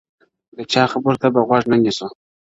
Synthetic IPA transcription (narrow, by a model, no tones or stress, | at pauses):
d̪ət͡ʃɑxabəɾt̪abaɣwaʐnanisu